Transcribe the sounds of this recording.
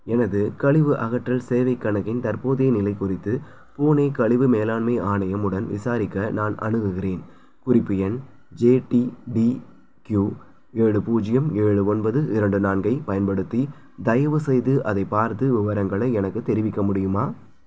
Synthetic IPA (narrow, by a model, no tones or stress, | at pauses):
ɛnɐðɯkɐɭɪʋɯʔɐɣɐʈrɐlseːʋɐɪkːɐɳɐɣɪnt̪ɐɾpoːðeːnɪlɐɪkʊrɪt̪ːɯ | puːneːkɐɭɪʋɯmeːlaːɳmɐɪaːɳɐjɐmɯɽɐnʋɪ̰saːɾɪkːɐnaːnʔɐ̰ɳɯɣɯɣɪreːn | kʊrɪpːɯɛn | d͡ʒeːʈiɖi | kjuː | eːɻɯpuːd͡ʒɪjɐmeːɻɯɔnbɐðɯʔɪɾɐɳɖɯnaːnɡɐɪpɐjɐnpɐɽɯt̪ːi | d̪ɐjɐʋɯsɛjðɯʔɐðɐɪpːaːɾt̪ɯʋɪʋɐɾɐŋɡɐɭɐɪɛnɐkːɯt̪ɛɾɪʋɪkːɐmʊɽɪjɯmaː